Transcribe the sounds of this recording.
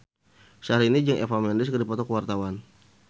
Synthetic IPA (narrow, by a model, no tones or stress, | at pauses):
ʃaɾinid͡ʒəŋḛfamɛndɪskərdipɔt̪ɔkəwart̪awan